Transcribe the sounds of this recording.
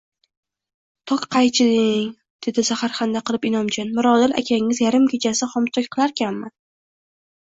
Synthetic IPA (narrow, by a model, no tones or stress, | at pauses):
t̪ʰɒkqʰɑjt͡ʃʰɪd̪ɪŋ | d̪̥e̞d̪ɪsahaɾχɑnd̪aqɨlˠɪpɪnɒmd͡ʒʰɒnmʊɾɒd̪ɪla̰kʲʰaɪŋɪzjaɾɪmkʲe̞t͡ʃʰasɪχɒmt̪ʰɒkʲqʰɨlˠaɾkʲʰanma